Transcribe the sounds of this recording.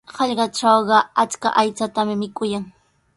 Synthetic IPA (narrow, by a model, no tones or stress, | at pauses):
hɑʎɢɑʈ͡ʂɑwɢɑat͡ska̰ʔajt͡sat̪amɪmɪkʊjaŋ